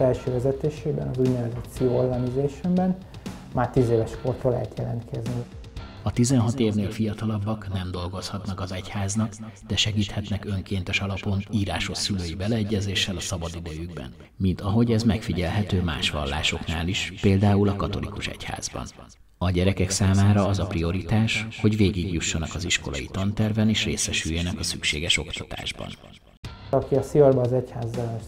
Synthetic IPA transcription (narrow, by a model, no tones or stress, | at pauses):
fɛlʃøːvɛzɛt̪eːʃeːbɛnɒzuɟ̪nɛvɛzɛt̪siolːɒnizeːʃɛmbɛn | maːrt̪iːzeːvɛʃkort̪oːlɛ̰ɦɛt̪jɛlɛnt̪kʰɛzni | ɒt̪izɛnɦɒt̪eːvneːlfijɒt̪ɒlɒbːɒknɛmd̪o̞lɡo̞shɒt̪nɒkɒzɛchaːznɒkd̪̥ɛʃɛɡiːt̪hɛt̪nɛkø̞ŋkeːnt̪ɛʃɒlɒpo̞niːɾaːʃo̞sːyløːjibɛlɛːɟːɛzeːʃːɛlɒsɒbɒd̪id̪ɛjyɡbɛ̰n | mint̪ɒɦo̞ɟɛzmɛkfiɟɛlɦɛt̪øːma̰ːʃʋɒ̰lːa̰ːʃo̞knaːliʃpeːld̪aːulɒkɒt̪o̞lḭkuʃɛ̰cha̰ːzbɒ̰n | ɒɟɛɾɛkɛksaːmaːɾɒɒzɒprio̞ɾit̪aːʃho̞ɟveːɡiɡjuʃːɒnɒkɒziʃko̞lɒ̰jḭt̪ɒnt̪ɛrvɛneːʃreːsɛʃyjːɛnɛkɒsykʃḛːɡɛʃo̞kt̪ɒt̪a̰ːʒbɒ̰n | ɒkiɒsiorbɛːzɛchaːzːɛlɛ